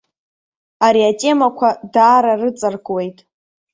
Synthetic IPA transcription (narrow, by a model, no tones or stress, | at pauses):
aɾiatʼe̞makʷʰadaːɾarɨt͡sʼɨrkʷʼwe̞jtʼ